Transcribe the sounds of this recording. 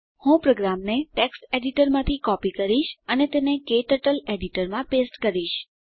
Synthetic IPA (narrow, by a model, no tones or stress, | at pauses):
hũpɾoɡɾamneʈeksʈeɖiʈəɾmãt̪ʰikɔpikəɾiʃənet̪enekeʈəʈəleɖiʈəɾmãpesʈkəɾiʃ